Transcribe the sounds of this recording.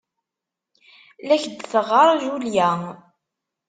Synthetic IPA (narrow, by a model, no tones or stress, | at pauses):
læçd̪θəʁəɾˤʒuljæ